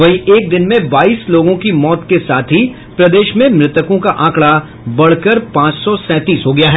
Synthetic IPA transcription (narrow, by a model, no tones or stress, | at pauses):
ʋɐɦiʔeːk̚d̪ɪnmẽbaːiːsloːɡõkimɔːt̪kesaːt̪ʰɦi | pɾɐd̪eːʃmẽmɾɪt̪əkõkaʔãːkɭa | bɐɽ̤kəɾpãːt͡ʃsɔsɛ̃ːt̪iːsɦoːɡɐjaɦɛː